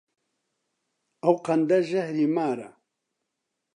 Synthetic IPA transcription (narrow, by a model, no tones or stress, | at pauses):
ɐwqɐnd̪ɐʒɐhɾiːmaːɾɐ̰